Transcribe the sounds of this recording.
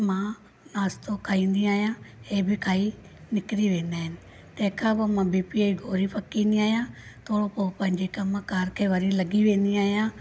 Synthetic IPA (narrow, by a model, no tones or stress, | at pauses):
mãː | naːst̪oːkʰaːĩːnd̪iaːjãːeːbʱikʰaːi | nɪkɾiːʋẽːnd̪aːɦɪnɪ | t̪ẽːkʰãːkoːmãːbiːpiːiɡʱoːɾiːpəkːĩːnd̪iaːjãːt̪ʰoːɽoːpoːpə̃ɦɪ̃ɲd͡ʒeːkamãkaːɾkʰeːʋəɾiːləɡiːʋẽːnd̪iaːjãː